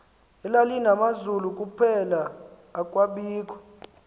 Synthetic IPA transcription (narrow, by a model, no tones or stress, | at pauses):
ɛlalinamazulukʼupʰɛlaː | kʼwaɓiːk̬ʰʼwḁ